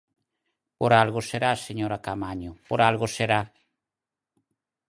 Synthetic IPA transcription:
poɾalɣoseɾaseɲoɾakamaɲʊpoɾalɣoseɾa

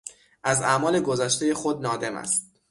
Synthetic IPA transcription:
ʔæzæmɒːle̞ɡo̞zæʃt̪e̞je̞xo̞d̪̚nɒːd̪e̞mæ̰st̪̚

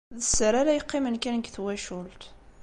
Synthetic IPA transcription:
ðəsːəɾaɾæjəqːimənkænkθwæʃult̪

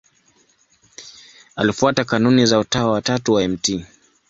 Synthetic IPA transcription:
alifuatakanunizautawawatatuwaɛmti

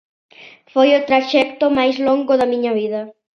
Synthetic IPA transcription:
fojʊt̪ɾaʃɛkt̪omajsloŋɡoðɐmiɲɐβiðɐ

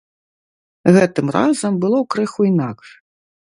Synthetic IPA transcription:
ɣɛt̪ɨmra̰zɐmbɨlˠɔwkɾɨxuinakʲ

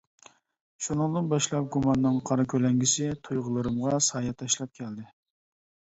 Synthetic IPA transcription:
ʃunɨŋd̪ɨnbɑʃlˠɑp̚ɡumɑnːɨŋqʰɑɾɨkʲʰølɛŋɡʲisɪt̪ʰujʁʊlˠɨɾɨmʁɑsɑːjɑt̪ʰːɑʃlˠɑp̚kʲʰɛld̪ɪ

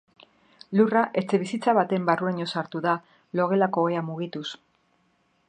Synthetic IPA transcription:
luraʔe̞t͡se̞βisit͡saβat̪e̞mbarueɲo̞saɾt̪uða | lo̞ɣ̞e̞lako̞eamuɣ̞it̪us

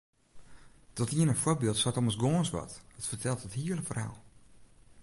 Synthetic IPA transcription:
d̥ɔtiənəfworbɪəlˠtsatɔməsɡoːnswɔ̰tətfərtʰɛlˠtəthiələkfərha̰ːlˠ

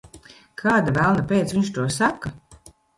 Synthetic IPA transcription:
kʰaːd̪avælˠnapʲeːt̪sviɲt͡ʃt̪uɔsaka

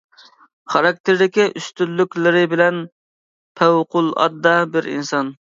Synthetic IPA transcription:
χɑɾɑk̚t̪ʰɪɾd̪ɪkʲiʔyst̪ylːykʲlɪɾɪbɪlɛn | pʰæwqʊlˠɑ̰d̪ːɑbɪɾḭnsɑn

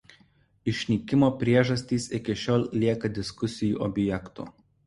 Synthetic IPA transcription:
ɪʃʲnʲiːkʲɪmoːpʲɾʲiɛʒɐsʲt̪ʲiːsɪkʲɪʃʲoːlʲlʲiɛkɐd̪ʲɪskʊsʲɪjṵːʔɔbʲjɛkt̪ṵː

